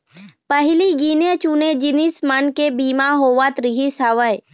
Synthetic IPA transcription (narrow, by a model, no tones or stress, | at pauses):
pəɦɪliɡiːnet͡ʃuned͡ʒinismənkebiːmaɦoːʋat̪ɾɪɦisəʋəj